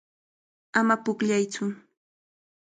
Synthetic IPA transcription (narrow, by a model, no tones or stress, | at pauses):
amapʊkʎajt͡sʊ